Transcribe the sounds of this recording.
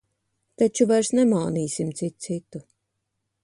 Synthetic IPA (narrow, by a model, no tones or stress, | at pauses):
t̪at͡ʃuvajɾsnɛmaːniːsimt̪sit̪̚sit̪u